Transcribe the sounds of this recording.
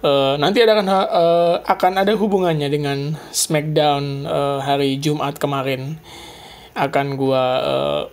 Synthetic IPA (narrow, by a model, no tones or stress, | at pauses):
ənant̪̬iadakanaəʔakanadaɦubuŋanɲadəŋansmak̚daunəɦaɾid͡ʒumʔat̪̚kəmaɾɪn | akanɡuaə̰ː